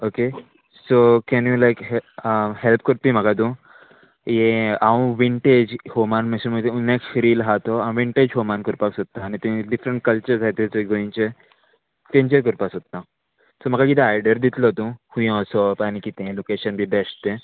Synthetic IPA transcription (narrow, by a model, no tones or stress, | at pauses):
oke | sokɛnjulajkɦəhelp̚kəɾpiməɡad̪ũ | jeãw̃ʋiɳʈed͡ʑhomanməsimət̪ẽunekɾiːlɦat̪oãw̃ʋiɳʈed͡ʑɦomankəɾpaksot̪ːaːnit̪ẽɖifɾə̃ɳʈ̚kəlt͡ɕəɾzʱat̪ẽt͡seɡoĩnt͡ɕe | t̪ẽɲd͡ʑəɾk̬əɾpasot̪ːã | som̤əɡakit̪ãajɖəɾd̪it̪lot̪ũhũjɔ̃sopanikit̪ẽlokeɕənbʱibɛst̪ẽ